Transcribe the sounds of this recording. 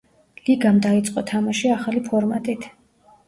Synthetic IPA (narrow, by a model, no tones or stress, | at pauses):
liɡamd̪ait̪sʼqʼɔt̪ʰamaʃiaχalipʰɔɾmat̪ʼit̪ʰ